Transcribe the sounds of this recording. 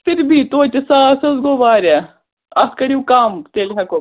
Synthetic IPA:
pʰɪɾbʱiːt̪oːt͡ʃisasɐzɡoːʋaːɾa | ɐskɐɽiukaːmt̪eːlɦɐko

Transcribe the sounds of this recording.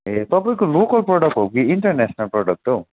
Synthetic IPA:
et̪ɔpikuluːkɐlpɾɔːɖɐk̚ʈop̚ɡiiɳʈɐɾneːʃɐnɐlpɾoːɖɐk̚ʈu

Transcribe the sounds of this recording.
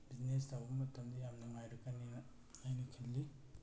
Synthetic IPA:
biznestawbɐmɐtʰɐmd̪ijamnɐŋajɾɐkːani | ajnɐkʰillːi

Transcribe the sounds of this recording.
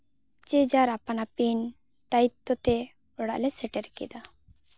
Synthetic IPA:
t͡ʃɛd͡ʒaɾapanapin | t̪ait̪ːɔt̪ɛ | ɔɽa̰ʔlɛsɛʈɛɾkɛ̰d̪a

